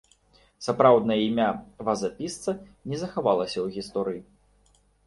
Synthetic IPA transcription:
sapɾawd̪nɐjɐimʲavazapʲist̪sɐnʲɛzɐxavalˠɐsʲɐwɣʲist̪ɔɾɨji

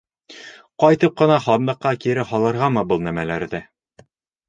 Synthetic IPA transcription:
qɒjt̪ɤp̚qɤ̆nɑχɒnd̪ɤ̆qːɑkiɾɘhɒlˠɤ̆ɾʁɑmɤbɤlˠnæmælæɾðɘ

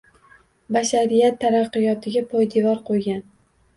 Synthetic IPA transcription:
baʃaɾijat̪ʰːaɾɑqːɨjɒt̪ʰɪɡʲapʰɒjd̪evɒɾqʰojɡʲan

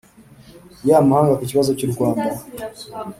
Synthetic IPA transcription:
jamuhaŋɡakit͡ʃiwazɔt͡ʃiɾikwamba

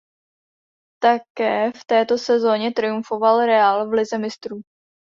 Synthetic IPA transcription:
t̪akɛːft̪ɛːt̪o̞sɛzo̞ɲɛt̪ɾɪjuɱfo̞valɾɛalvlɪzɛmɪst̪ɾu

